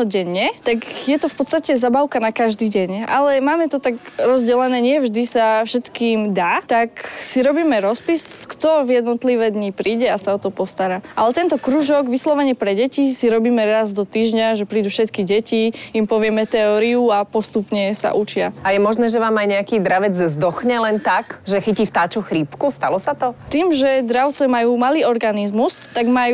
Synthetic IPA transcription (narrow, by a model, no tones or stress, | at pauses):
ɔɟɛɲːɛt̪akjɛt̪ɔfpɔt̪st̪acɛzabaʊkanakaʒd̪iːɟɛɲa̰lɛmaːmɛt̪ɔt̪aɡɾɔzɟɛlɛnɛːɲɪɛvʒd̪isafʃɛt̪kiːmd̪aːt̪aksiɾɔbiːmɛɾɔspiskt̪ɔvjɛd̪nɔt̪liʋɛd̪ɲipɾiːɟɛasaɔt̪ɔpɔst̪aɾaːʔalɛt̪ɛnt̪ɔkɾuːʒɔɡʋislɔʋɛɲɪɛpɾɛɟɛcisiɾɔbiːmɛɾazd̪ɔt̪iːʒɲaʒɛpɾiːd̪ufʃɛt̪kiɟɛciimpɔʋɪɛmɛt̪ɛɔːɾiuapɔst̪upɲɛsa̰ʔut͡ʃɪaajɛmɔʒnɛːʒɛʋaːmajɲɛakiːd̪ɾaʋɛd͡zzd̪ɔxɲɛlɛnt̪akʒɛxicift̪aːt͡ʃuxɾipkust̪alɔsat̪ɔt̪iːmʒɛd̪ɾaʊt͡sɛmajuːmaliːɔɾɡanizmust̪aɡmaju